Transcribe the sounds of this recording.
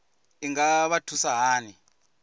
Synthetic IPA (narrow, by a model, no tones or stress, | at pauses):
iŋɡaβatʰusaɦaːni